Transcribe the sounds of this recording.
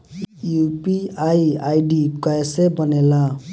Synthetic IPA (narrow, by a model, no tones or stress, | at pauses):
jupiajajɖikʌesebʌnela